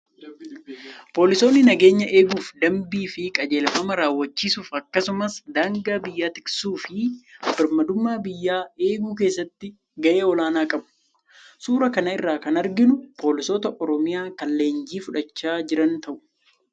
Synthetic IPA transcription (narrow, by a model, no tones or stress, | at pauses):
po̞ːlɪso̞ːnːɪnɐɡe̞ːɲːɐʔe̞ːɡuːfd̪ɐmbiːfɪkʼɐd͡ʒe̞ːlfɐmɐɾaːwːɐt͡ʃːiːsuːfɐkːɐsʊmɐsd̪aːŋɡaːbɪjːaːt̪ɪksuːfɪbɐɾmɐd̪ʊmːaːbɪjːaːe̞ːɡuːk̬e̞ːsːɐt̪ːɪ | ɡɐʔe̞ːɔlaːnaːkʼɐbʊ̥ | suːɾɐkɐnɐɪrːaːkɐnɐɾɡɪnʊpʰo̞ːlɪso̞ːt̪ɐʔɔɾɔmɪjaːkɐlːe̞ːnd͡ʒiːfʊᶑɐt͡ʃːaːd͡ʒɪɾɐnt̪ɐʔʊ̥